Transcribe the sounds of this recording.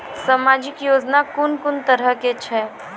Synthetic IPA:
samad͡ʒɪkjoːd͡ʒnakʊnkʊnt̪əɾəket͡ʃʰɛ

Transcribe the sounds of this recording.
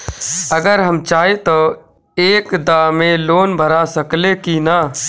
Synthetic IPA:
əɡəɾɦəmt͡ʃaːɦet̪o | eːkd̪aːmẽloːnbʱəɾasəklekinaː

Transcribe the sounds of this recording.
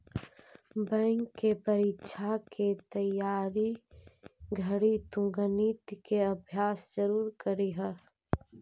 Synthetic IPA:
bə̃ŋkːepəɾitʃʰakʰet̪əjaːɾi | ɡʱəɽit̪ʊ̃ŋɡənit̪keɐbʱjaːsd͡ʒəɾuːɾkəɾiɦə

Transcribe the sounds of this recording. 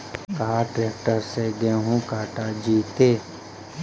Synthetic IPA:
kaːɾʈɾeːk̚ʈəɾseɡɛɦũkaːʈad͡ʒiːt̪eː

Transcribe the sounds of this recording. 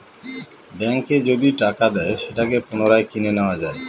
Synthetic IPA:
ɖɛŋked͡ʑod̪iʈakad̪ɛeʃeʈakepunoɾaekineneoad͡ʑae

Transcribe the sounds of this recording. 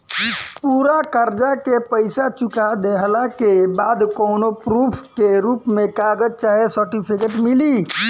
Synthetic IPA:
ɪpuːɾakəɾd͡ʒakepəɪsat͡ʃʊkad̪eɦəlakebaːd̪kɔːnopɾuːpʰkeɾuːpmẽkaːɡəd͡ʒt͡ʃaːɦesəɾʈipʰikeʈmɪli

